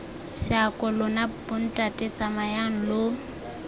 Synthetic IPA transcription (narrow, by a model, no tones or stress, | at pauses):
sɪakʼɔlʊnabʊn̩tʼatʼet͡sʼamajaŋ̩lʊ